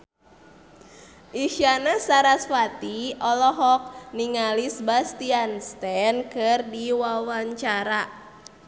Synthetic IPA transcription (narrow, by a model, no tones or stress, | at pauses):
ʔiʃanasaɾasfat̪iɔlɔɦɔk̚niŋalisbast̪ianst̪ɛnkɨrdiwawaɲt͡ʃaɾa